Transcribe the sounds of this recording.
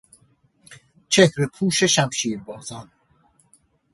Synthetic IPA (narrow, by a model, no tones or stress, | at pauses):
t͡ʃʰehɾipʰuːʃeʃæmʃiːɾbɔːzɑn